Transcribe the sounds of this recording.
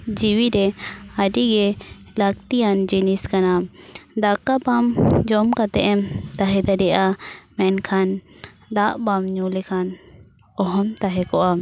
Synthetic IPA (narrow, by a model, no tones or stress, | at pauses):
d͡ʒiwiɾɛaɖiɡɛ | laɡ̚t̪ijand͡ʒiniskanad̪akabamd͡ʒɔmkat̪ɛʔɛmt̪aɦɛd̪aɖɛʔamɛnkʰan | d̪aʔbamɲulɛkʰan | ɔɦɔmt̪aɦɛkɔʔa